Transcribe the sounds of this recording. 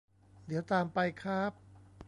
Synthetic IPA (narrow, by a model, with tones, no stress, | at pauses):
d̪i˩˦wt̪aː˧mpa˧jkʰaː˥˩p̚